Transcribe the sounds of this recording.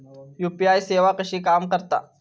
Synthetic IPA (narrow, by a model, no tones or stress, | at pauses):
jupiajseʋakəɕiːkamkəɾt̪a̰